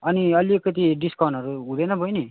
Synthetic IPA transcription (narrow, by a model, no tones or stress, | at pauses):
ʌniʌlikʌt̪iɖiskʌwnʌɾuɦũd̪ʌjnʌbʱʌjni